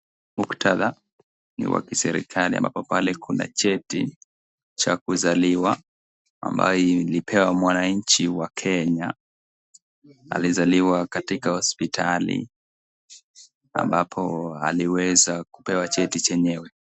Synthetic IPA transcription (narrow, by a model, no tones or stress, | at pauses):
muktʰaða | nḭwʔa̰kisɛɾḭkʰalia̰mba̰pɔpalɛkʰuna̰t͡ʃɛti | t͡ʃakuzaliwa | a̰mba̰jɔlipʰɛwamwanaɲ̩t͡ʃiwakʰɛɲa | a̰lizaliwakatikahɔspitʰalḭ | a̰mbapʰɔa̰liwɛzaku̥pɛwat͡ʃɛtit͡ʃɛɲɛwɛ